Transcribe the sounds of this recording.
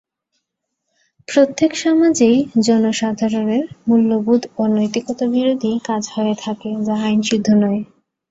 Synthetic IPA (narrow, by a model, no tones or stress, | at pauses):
pɾot̪ːekʃamad͡ʑejd͡ʑɔnoʃad̪ʱaɾoneɾmulːobud̪ʱonojt̪iɡɔt̪obiɾod̪ʱikad͡ʑhoet̪ʰaked͡ʑaajnʃid̪ʱːonɔe